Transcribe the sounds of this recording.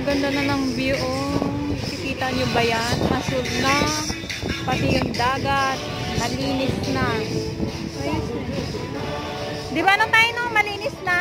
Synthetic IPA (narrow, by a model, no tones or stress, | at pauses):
ɐɡɐnd̪anɐnɐŋbɪjʊʔoŋkɪkiːt̪ɐɲobɐjanmɐsʊlna | pɐt̪ɪjʊŋd̪aːɡat̪̚ | mɐliːnɪsna | d̪ɪbanoŋt̪aːjonɐmɐliːnɪsnɐ